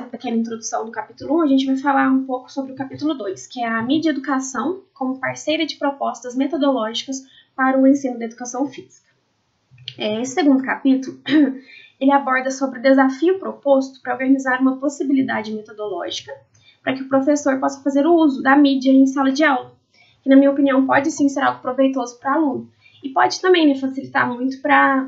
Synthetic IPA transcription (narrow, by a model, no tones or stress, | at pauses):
ɐpekẽnɐĩt̪ɾod̪usɐ̃w̃d̪ʊkapit̪ulʊũɐʒẽnt͡ʃɪvajfalaɾũpowkʊ̥sobɾɪʊkapit̪ulʊd̪ojskɪɛɐmid͡ʒɐed̪ukasɐ̃w̃kõmʊpaɾsejɾɐd͡ʒɪpɾopɔst̪ɐzmet̪od̪olɔʒikɐs | paɾɐʊẽsĩnʊd̪ɐed̪ukasɐ̃w̃fiz̥ikɐ̥ | ɛesɪ̥seɡũnd̪ʊkapit̪ʊlʊ | elɪabɔɾd̪ɐsobɾɪʊd̪ezafiʊpɾopost̪ʊ̥pɾɐoɾɡɐnizaɾũmɐposibilid̪a̰d͡ʒɪmet̪od̪olɔ̰ʒikɐ | pɾɐkɪʊpɾofesoɾpɔsɐ̥fazeɾʊuzʊd̪ɐmid͡ʒiɐẽj̃salɐd͡ʒɪawɡʊ | kɪnɐmĩɲɐopiniɐ̃w̃pɔd͡ʒɪsĩseɾawɡʊpɾovejt̪ozʊpɾɐalũnʊ | ɪpɔd͡ʒɪt̪ɐ̃mbẽj̃mɪfasilit̪a̰ɾmũj̃t̪ʊ̥pɾɐ